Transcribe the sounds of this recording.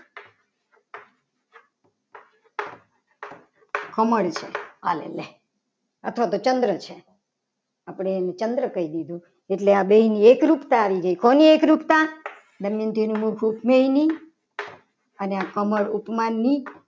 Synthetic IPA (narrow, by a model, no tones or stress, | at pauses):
kəməɭt͡ʃʰea̰lḛle | ət̪ʰʋat̪ot͡ʃənd̪ɾət͡ʃʰe | apɽeːnet͡ʃənd̪ɾəkəid̪id̪ʱũ | eʈleabeɦiniekɾupt̪aːʋiɡəikoniekɾupt̪a | d̪əmjənt̪enũmũkʰupmeɦini | əneakəməɭupmanːi